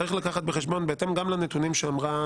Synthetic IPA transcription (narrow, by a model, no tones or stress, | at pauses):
ʁiχlakaχat̪̚beχeʃbo̞nbeet̪e̞mɡamlanet̪unimʃeamʁa